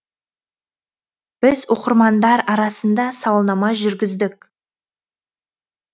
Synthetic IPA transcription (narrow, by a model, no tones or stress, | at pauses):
b̥ɪzwo̞qəɾmɑnd̪ɑɾɑɾɑsənd̪ɑsɑwlˠnɑmɑʒʏɾɡʲɪzd̪ɪk